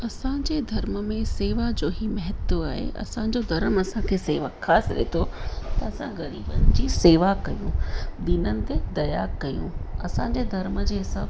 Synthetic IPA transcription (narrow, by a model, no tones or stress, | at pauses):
ɐsãd͡ʑeːd̪ʱɐɾməmẽseːʋad͡ʑoːɦimɐɦɪt̪ːoaːɦḛʔɐ̰sãd͡ʑod̪ʱɐɾəmɐsãkʰeːseːʋaxaːsɪɗḛt̪ʰot̪ɐɐsãɣɐɾiːbənɪd͡ʑiseːʋakɐjṵ̃d̪ɪnənɪ̆t̪ed̪ɐjakɐjũɐsãɲd͡ʑeːd̪ʱɐɾməd͡ʑeːɦɪsa̰ːb